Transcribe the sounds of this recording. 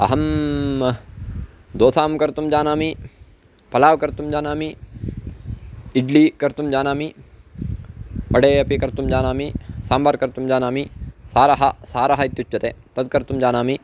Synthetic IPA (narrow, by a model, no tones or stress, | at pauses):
ɐ̰ɦɐm | d̪oːsaːmkɐɾt̪umd͡ʒaːnaːmi | pɐlaːʋkɐɾt̪umd͡ʒaːnaːmi | iɖlikɐɾt̪umd͡ʒaːnaːmi | pɐɽeːɐpikɐɾt̪umd͡ʒaːnaːmisaːmbaːɾkɐɾt̪umd͡ʒaːnaːmisaːɾɐɦɐsaːɾɐɦɐit̪jut͡ʃːɐt̪eːt̪ɐd̪̚kɐɾt̪umd͡ʒaːnaːmi